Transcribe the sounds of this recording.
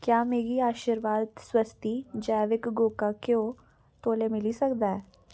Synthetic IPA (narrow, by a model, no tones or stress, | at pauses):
kjaːmeːɡiːaːʃiɾʋaːd̪swəst̪iːd͡ʒɛːʋɪkɡoːkaːkeoː | t̪oːleːmɪlisəkd̪aːɛː